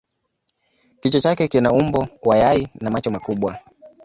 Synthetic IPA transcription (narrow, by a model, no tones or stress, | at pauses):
kit͡ʃɔt͡ʃakɛkinaumbɔwajainamat͡ʃɔmakuɓwa